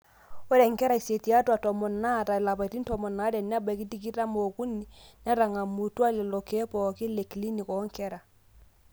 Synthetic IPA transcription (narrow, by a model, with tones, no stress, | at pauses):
o˦ɾɛ˨ŋ˨kɛ˦ɾa˨i˨se˨ti˨a˦twa˨tɔ˨mɔ˨na˦˨ta˨la˨pa˨i˨ti˦n˦tɔ˨mɔ˨na˦ɾɛ˨n˦a˦ba˨ki˦ti˦k̬i˦ɾa˦mo˨ku˦ni˦nɛ˦ɾa˨ŋa˨mu˨twa˦le˨lɔ˨ke˦pɔ˨kɪ˦le˨kli˦ni˨kɔ˨˦ŋkɛ˦ɾa˨